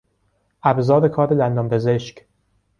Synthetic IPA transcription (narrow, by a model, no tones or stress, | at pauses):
ʔæbzɒːɾekʰɒːɾelænd̪ɒmpʰe̞zeʃc